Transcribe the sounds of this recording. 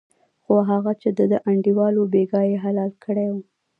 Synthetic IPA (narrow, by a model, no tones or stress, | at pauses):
xoɦaɣat͡ʃed̪əd̪əʔaɳɖiwɑlobeɡɑjeɦalɑlkʰəɽewu